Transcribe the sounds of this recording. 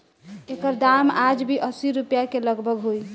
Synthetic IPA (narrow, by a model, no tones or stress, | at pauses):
ekəɾd̪amad͡ʒbʱiʔəsiɾupjakeləɡbʱəɡɦoj